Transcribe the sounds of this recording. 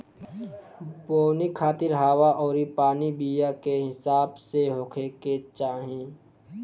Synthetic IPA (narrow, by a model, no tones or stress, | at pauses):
poːnikʰaːt̪ɪɾɦaːwaʔɔːɾipaːnibijakeɦɪsaːbseɦoːkʰeket͡ʃaːɦĩ